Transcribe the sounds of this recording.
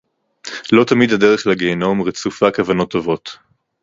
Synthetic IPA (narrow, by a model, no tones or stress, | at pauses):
lo̞tamid̪hadeʁeχlaɡeːno̞mʁet͡sufakavano̞t̪ːovo̞t